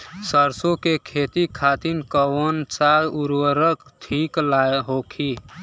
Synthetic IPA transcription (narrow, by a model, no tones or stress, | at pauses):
səɾsokekʰet̪ikʰat̪inkəwənt͡ʃaluɾwəɾəkt̪ʰiklajɦokʰi